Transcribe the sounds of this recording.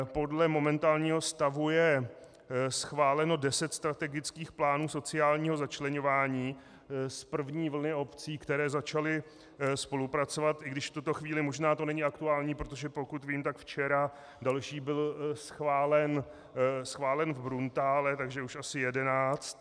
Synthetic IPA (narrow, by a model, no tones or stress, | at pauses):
po̞dlɛmo̞mɛnt̪aːlɲiːɦo̞st̪avujɛ | sxvaːlɛno̞dɛsɛt̪st̪ɾat̪ɛɡɪt͡skiːxplaːnuːso̞t͡sɪaːlɲiːɦo̞zat͡ʃlɛɲo̞vaːɲiː | spr̩vɲiːvl̩nɪo̞pt͡siːkt̪ɛɾɛːzat͡ʃalɪ | spo̞lupɾat͡so̞vat̪ʔɪɡdɪʃft̪ut̪o̞xviːlɪmo̞ʒnaːt̪o̞nɛɲɪakt̪uaːlɲiːpɾo̞t̪̬o̞ʒɛpo̞kut̪viːmt̪akft͡ʃɛɾa | dalʃiːbɪlsxvaːlɛn | sxvaːlɛnvbɾunt̪aːlɛt̪aɡʒɛuʃasɪjɛdɛnaːt͡st̪